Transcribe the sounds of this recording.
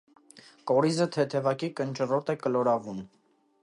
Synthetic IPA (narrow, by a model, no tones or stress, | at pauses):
kɔɾizət̪ʰɛt̪ʰɛvɑkikənt͡ʃərɔt̪ɛkəlɔɾɑvum